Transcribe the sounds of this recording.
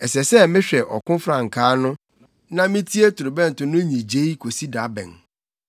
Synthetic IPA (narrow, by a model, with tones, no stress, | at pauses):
ɛ˨sɛ˨sɛ˦mɪ̃˦ɕᶣɛ˨ʔɔ˨kʊ̃˦fɾã˦˨ŋ̩˨kʰaː˦nʊ̃˦ | nã˦mɪ̃˦tʰi˦e˦tʰʊ˨ɾʊ˨bɛ̃˦n̩˨tʊ̃˨nʊ̃˦ɲĩ˨d͡ʑe˦i˦kʰo˨si˦da˨˦bɛ̰̃˨n